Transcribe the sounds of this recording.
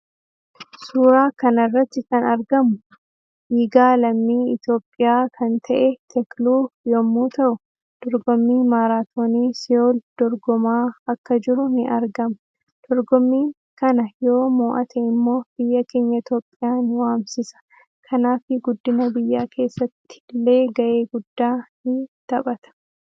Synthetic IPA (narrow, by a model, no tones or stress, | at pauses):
suːɾaːkɐnɐrːɐt̪ːɪkɐnɐɾɡɐmʊ | ʔiːɡaːlɐmːiːɪt̪jo̞ːpʼːɪjaːkʰɐnt̪ʰɐʔɛt̪ʰɛkluːjɔmːuːt̪ɐʔʊ | d̪̥ɔɾɡɔmːiːmaːɾaːt̪ʰoːniːsɪjoːld̪̥ɔɾɡɔmaːɐkːɐd͡ʒɪɾʊnɪʔɐɾɡɐmɐ | d̪̥ɔɾɡɔmːiːŋ | kɐnɐjo̞ːmuːʔɐt̪ʰɛɪmːo̞ːb̥ɪjːɐke̞ːɲːɐɪt̪joːpʼːɪjaːnwaːmsɪsɐ̥ | kʰɐnaːfɪɡʊd̪ːɪnɐbɪjːaːkʰe̞ːsːɐt̪ːɪ̥lːe̞ːɡɐʔe̞ːɡʊd̪ːaːhɪnt̪ɐbʼɐt̪ɐ̥